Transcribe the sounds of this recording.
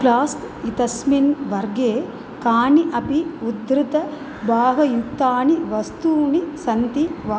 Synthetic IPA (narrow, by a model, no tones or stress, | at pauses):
plaːst̪ | it̪ɐsminʋɐɾɡeː | kaːniʔɐpiud̪ɾɪt̪ɐ | bʱaːɦɐjut̪ːaːniʋɐst̪uːnisɐnt̪iʋa